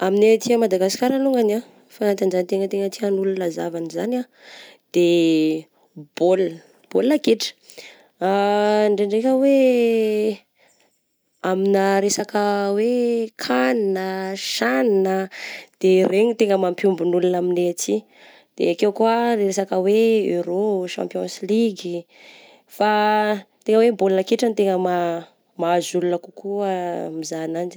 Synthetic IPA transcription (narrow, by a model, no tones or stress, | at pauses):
amineat̪iamad̪aɡasi̥kʲaɾaluŋɡana | faant̪anzanit̪eŋət̪eŋət̪ianulunazavanizana | d̪̥e | b̥ol | b̥olːakiʈ͡ʂə̥ | aɳɖ͡ʐeɳɖ͡ʐekʲəwe | aminəɾesakəwekʰaninəʃaninəd̪̥eɾeɲit̪eŋəmampjumbunulunaminet͡si | d̪̥ḛakewkuəreɾesakəweeɾoʃã̰mpjonsiliɡi | fat̪eŋəwebolnəkeʈ͡ʂant̪eŋəma | maazulunəkukʰuəmizanand͡ʒi̥